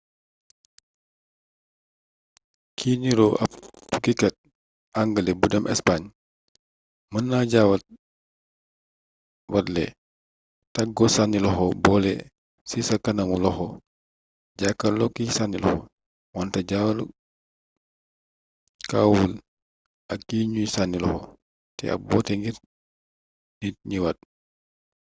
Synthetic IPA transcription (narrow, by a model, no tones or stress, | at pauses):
kʰiɲiɾɔʔɐ̰p̚tukikɐt̚ | aŋɡəlɛbudɐmʔɛ̰spaɲ | mənːaɟawɐt̚ | wɐtlɛ̰ | tɐɡɔsanilɔxɔbɔlɛ | sisɐkɐnɐmulɔxɔ | ɟakːɐlɔkːisanilɔxɔ̰ | wɔntɐɟawɐɾ | kawul | ɐkːiɲusanilɔxɔ | tɛ̰ɐ̰bɔtɛŋɡiɾ | nit̚ɲiwɐt̚